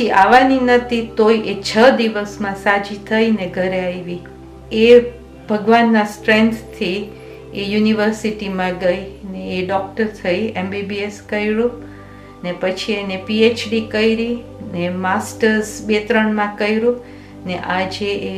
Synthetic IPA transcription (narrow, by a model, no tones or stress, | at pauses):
iaʋaninət̪it̪ojʔet͡ʃʰəd̪iʋəsmãsad͡ʒit̪ʰəjneɡʱəɾeaiʋi | e | bʱəɡʋanːãsʈɾẽnt̪ʰt̪ʰi | ejuniʋəɾsiʈimãɡəjneːɖɔk̚ʈəɾt̪ʰəiembibieskəjɭũ | nepət͡ʃʰienepiet͡ʃɖikəjɾi | nemasʈəɾsbet̪ɾəɳmãkəjɾũ | neʔad͡ʒee